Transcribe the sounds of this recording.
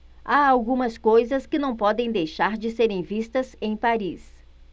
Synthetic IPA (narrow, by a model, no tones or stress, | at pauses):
aawɡũmɐskojzɐskɪnɐ̃w̃pɔd̪ẽj̃d̪ejʃaɾd͡ʒɪseɾẽj̃vist̪ɐzẽj̃paɾis